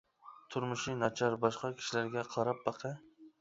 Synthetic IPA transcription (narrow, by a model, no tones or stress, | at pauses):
t̪ʰʊɾmʊʃinɑt͡ʃʰɑɾbɑʃqɑkʲʰi̥ʃilæɾɡʲɛqʰɑɾɑp̚bɑqʰɨ